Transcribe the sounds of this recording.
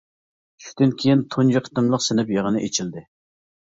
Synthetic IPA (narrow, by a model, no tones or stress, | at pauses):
ʃy̥d̪ynkʲʰejint̪ʰund͡ʒiqʰə̥t̪ɨmlˠəqsɪnɪpjeʁənɨʔet͡ʃʰild̪ɪ